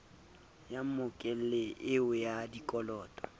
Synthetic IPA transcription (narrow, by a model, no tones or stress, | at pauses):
jam̩mʊkʼɛl̩lɪɪʊjadikʼɔlɔːtʼɔ̥